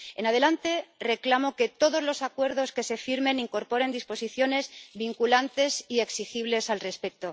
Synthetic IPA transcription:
e̞̰naðe̞lant̪e̞re̞klamo̞ke̞t̪o̞ðo̞zlo̞sakwe̞ɾð̞o̞ske̞se̞fiɾmẽ̞niŋko̞ɾpo̞ɾe̞nd̪ispo̞siθjo̞ne̞zβiŋkulant̪e̞sie̞ksixiβlesalre̞spe̞k̚t̪o̞

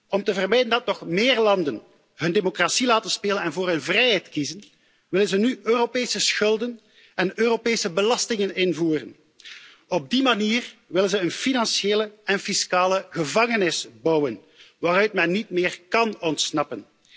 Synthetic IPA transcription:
ɔmtəvərmɛjdəndɑtnɔxmeːrlɑndən | ɦɵndemokrasilaːtənspeːlənɛnvoːrɦɵnvrɛjɦɛjtkizən | ʋɪlənzənyøːropeːsəsxɵlˠdən | ɛnøːropeːsəbəlɑstɪŋənɪnvuːrə̰n | ɔb̚dimaniːrʋɪlənzəənfinɑnseːləɛnfiskaːləɣəvɑŋənɪsbʌwən | ʋaːɾœɥtmɛnːit̚mɪːrkɑnɔntsnɑpən

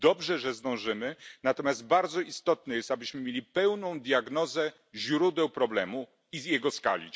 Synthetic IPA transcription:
d̪ɔbʐɛʐɛzd̪ɔ̃w̃ʐɘmɘnat̪ɔmʲjazt̪̚baɾd̪zɔʔist̪ɔt̪̚nɛjɛst̪abɘɕmɘmʲjelʲipɛwnɔ̃w̃d̪jaɡnɔzɛ | ʑɾud̪ɛwpɾɔblɛmu | izjɛɡɔska̰lʲḭ

